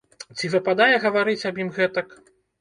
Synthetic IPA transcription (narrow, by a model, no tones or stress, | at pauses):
t͡sʲivɨpad̪ajɛɣɐvaɾɨt͡sʲɐbjimɣɛt̪ɐk